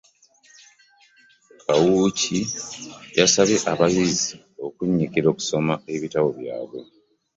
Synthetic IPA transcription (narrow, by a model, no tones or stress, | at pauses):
kʰawuci | jasaβe̞ʔaβaɣizi | o̞kuɲːikiɾo̞ku̥so̞mae̞βitawo̞βja̰ːβwo̞